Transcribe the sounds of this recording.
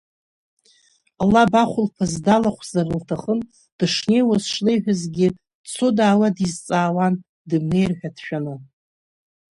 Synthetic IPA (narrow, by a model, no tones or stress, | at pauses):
labaχʷʊlpʰazdalaχʷzarɨltʰaχən | d̥ɨʂne̞jwazʂlejħᶣazɡʲɪ | t͡sʰodaːwadizt͡sʼaːwan | dɨmne̞jrħʷᶣatʰʃᶣanɨ